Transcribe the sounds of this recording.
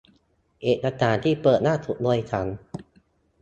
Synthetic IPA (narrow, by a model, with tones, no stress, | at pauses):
ʔeː˨˩t̪̚ʔa˧t͡ɕaː˨˩nt̪ʰiː˥˩pɤː˨˩t̪̚naː˥˩t̪ʰu˨˩t̪̚duː˧əjt͡ɕʰa˩˦˥n